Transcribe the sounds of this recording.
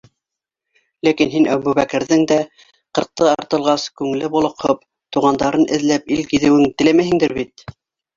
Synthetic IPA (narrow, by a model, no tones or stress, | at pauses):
lækinɦinæβuβækɘ̆ɾðɘŋd̪æ | qɤ̆ɾq̚t̪ɤɑ̰ɾt̪ɤ̆lˠʁɑskʉŋlɘbulˠɤ̆qhɤp̚ | t̪uʁɑnd̪ɑɾɤnɘ̆ðlæpilkiðɘ̆wɘŋt̪ɘ̆læmæhɘ̆ŋd̪ɘɾβit̪̚